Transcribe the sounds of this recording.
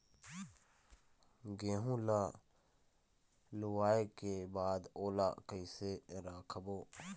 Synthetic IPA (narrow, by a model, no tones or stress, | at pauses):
ɡẽːɦũla | lʊwaːekebaːd̪oːlakəiseɾaːkʰboː